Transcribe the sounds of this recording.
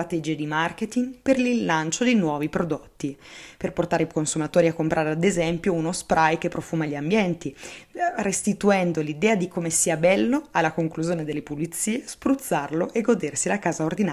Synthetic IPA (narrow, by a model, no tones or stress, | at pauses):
at̪ɛd͡ʒied̪imarket̪iŋperlinːant͡ʃod̪enwɔːvipɾod̪ot̪ːiperport̪aːɾeikonsumat̪oːɾiakːompɾʔaːɾead̪ezɛmpjounospɾʔajkepːɾofuːmaʎːambjɛnt̪i | rest̪it̪uɛnd̪olid̪ɛːad̪ikomesiːabɛlːoalːakoŋkluzjoːned̪elːepulit̪siːespɾut̪sːarloʔeɡod̪ersilakaːzaord̪inaː